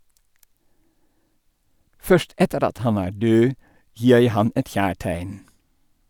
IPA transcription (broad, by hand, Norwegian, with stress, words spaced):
ˈfœʃt ˈɛtəɾ ˈɑt ˈhɑn ˈæː ˈɖøː ˈjiː ˈjæɪ ˈhɑn ˈɛt ˈçæːˌʈæɪn